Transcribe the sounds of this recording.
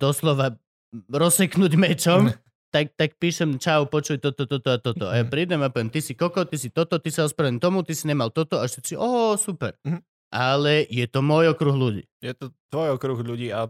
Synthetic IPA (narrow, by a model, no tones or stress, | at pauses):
d̪̥ɔslɔʋa | ɾɔsɛknuɟmɛt͡ʃɔm | t̪ak̚t̪ak̚piːʃɛmt͡ʃawpɔt͡ʃujt̪ɔt̪ɔt̪ɔt̪ɔat̪ɔt̪ɔajapɾid̪ɛmapɔʋjɛmt̪isikɔkɔt̪isit̪ɔt̪ɔt̪isaɔspɾaʋint̪ɔmut̪isiɲɛmalt̪ɔt̪ɔaʃt̪ɛsiʔɔsupɛɾ | ʔalɛjɛt̪ɔmʊɔjɔkɾuɣluɟḭːjɛt̪ɔt̪ʋɔjɔkɾuɣʎuɟiːa